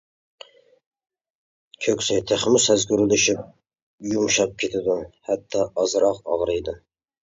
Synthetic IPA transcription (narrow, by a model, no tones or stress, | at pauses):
kʲʰøkʲsɪjt̪ʰeχmʊsæzɡʲyɾɪlɪʃɪp̚ | jumʃɑp̚kʲʰet̪ʰɪd̪ɪhæt̪ʰːɑɑzɾɑqɑʁɾɨjd̪ɪ